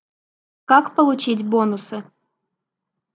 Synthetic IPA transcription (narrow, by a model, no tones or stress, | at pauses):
kakpəlˠʊt͡ɕitʲbonʊsɨ